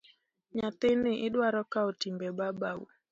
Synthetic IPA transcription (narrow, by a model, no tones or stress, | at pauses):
ɲat̪ɪniʔiɗwaɾɔkaɔtimbɛɓabaṵ